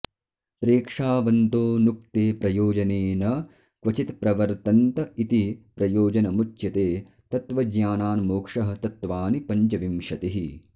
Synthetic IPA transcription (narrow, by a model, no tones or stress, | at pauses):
pɾeːkʂaːʋɐnt̪oːnuk̚t̪eːpɾɐjoːd͡ʒɐneːnɐ | kʋɐt͡ʃit̪pɾɐʋɐɾt̪ɐnt̪ɐit̪ipɾɐjoːd͡ʒɐnɐmut͡ʃːjɐt̪eː | t̪ɐt̪ʋɐd͡ʒɲaːnaːnmoːkʂɐɦɐ̆t̪ɐt̪ʋaːnipɐɲt͡ʃɐʋimʃɐt̪iɦi